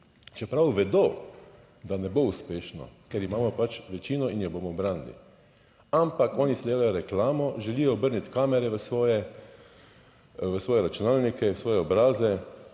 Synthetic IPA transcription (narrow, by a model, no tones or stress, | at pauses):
t͡ʃɛpɾawʋɛd̪oː | d̪anɛbouspeːʃnɔ̰kɛɾimaːmɔpat͡ʃʋɛt͡ʃiːnɔinjɔboːmɔbɾaːnilḭ | ampakɔːnisid̪eːlajɔɾɛklaːmɔʒɛliːjɔːbəɾnit̪kaːmɛɾɛʋəsʋɔːjɛ | ʋəsʋɔːjɛɾat͡ʃunaːlnikɛsʋɔːjɛɔbɾaːzɛ